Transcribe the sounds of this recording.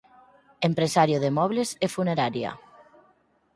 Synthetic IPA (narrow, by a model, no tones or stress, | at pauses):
empɾesaɾjoðemɔβlesefuneɾaɾja̰